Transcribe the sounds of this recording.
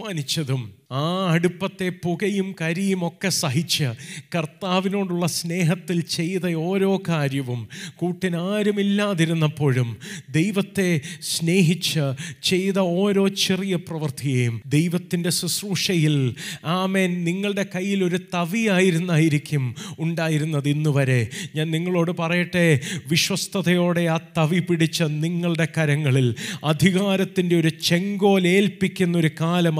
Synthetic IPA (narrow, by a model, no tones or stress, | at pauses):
aːnit͡ɕːɐðumaːɐɽupːɐt̪ːe̞puɣɐjumkɐɾijumo̞kːe̞sɐɦit͡ɕːɨkɐrt̪aːʋino̞ːɽuɭːɐsne̞ːɦɐt̪ːilt͡ɕe̞jðɐo̞ːɾo̞ːkaːɾjɐʋumkuːʈːinaːɾumilːaːðiɾunːɐpːo̞ːɻumd̪e̞jʋɐt̪ːe̞sne̞ːɦit͡ɕːɨt͡ɕe̞jðɐoːɾo̞ːt͡ɕerijɐprɐʋɐrt̪ʰiɣejumd̪e̞jʋɐt̪ːinde̞susruːʂɐjilaːme̞ːnniŋːɐɭɽe̞kɐjːilo̞ɾut̪ɐʋiaːjiɾunːaːjiɾikʲːumuɳɖaːjiɾunːɐðinːuʋɐɾe̞ɲaːnniŋːɐɭo̞ːɽɨpɐrɐjɐʈːe̞ʋiɕwɐst̪ʰɐðɐjo̞ːɽe̞aːt̪ɐʋipiɽit͡ɕːɨniŋːɐɭɽe̞kɐɾɐŋːɐɭilɐd̪ʱiɣaːɾɐt̪ːinde̞o̞ɾut͡ɕe̞ŋɡo̞ːle̞ːlpikʲːunːɐo̞ɾukaːlɐm